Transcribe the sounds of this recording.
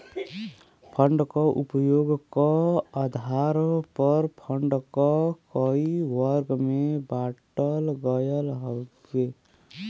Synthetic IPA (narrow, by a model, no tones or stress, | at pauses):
pʰəɳɖkɔʔupəjoɡkaad̪ʱaɾpəɾpʰəɳɖkɔkəiwəɾɡmebaʈəlɡəjəlɦə | e